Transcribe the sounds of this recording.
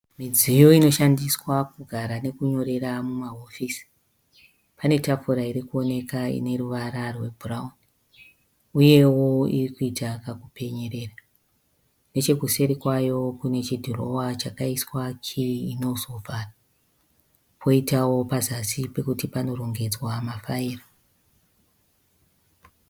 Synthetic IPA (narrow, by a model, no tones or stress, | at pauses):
mid͡zijo̞ino̞ʃandiswakuɡʱaɾane̞kuɲo̞ɾe̞ɾamumaɦofisi̥ | pane̞tafuɾaiɾikuo̞ne̞kaḭne̞ɾuʋaɾarwe̞bʱuraun | uje̞wo̞irikuitakakupʰe̞ɲe̞ɾe̞ːra | ne̞t͡ʃe̞ɡʱuse̞ɾikwajo̞kune̞t͡ʃidʱoro̞wat͡ʃakaiswakiʋiino̞zo̞vʱara | pʰo̞itawo̞pazasipe̞kutipano̞ro̞ŋɡe̞d͡zwamafaiːra